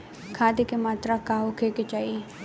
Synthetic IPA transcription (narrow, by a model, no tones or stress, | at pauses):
kʰaːt̪ekemaːt̪ɾakaːɦokʰeːket͡ʃaːi